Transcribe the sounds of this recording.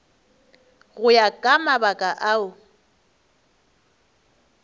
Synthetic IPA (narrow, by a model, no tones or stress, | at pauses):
ɣʊjakʼamabakʼaʔaʊ